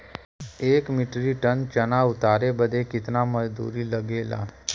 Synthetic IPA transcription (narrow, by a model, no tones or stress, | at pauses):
eːkmɪʈɾiʈənt͡ʃənaʊt̪aːɾebəd̪ʱekɪt̪naməd͡zd̪ṵːɾiːləɡela̰